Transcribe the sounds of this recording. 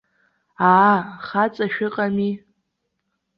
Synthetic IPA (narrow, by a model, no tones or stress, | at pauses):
aχat͡sʼaʃᶣɪqʼami